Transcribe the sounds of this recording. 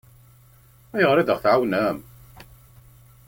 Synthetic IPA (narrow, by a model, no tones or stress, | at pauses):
æjəʁɾˤiðəʁθʕawnæm